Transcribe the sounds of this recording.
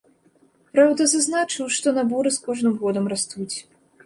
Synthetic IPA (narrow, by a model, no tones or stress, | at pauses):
pɾawd̪ɐzaznat͡ʂɨwʂt̪ɔnabɔɾɨskɔʐnɨmɣɔd̪ɐmrast̪ut͡sʲ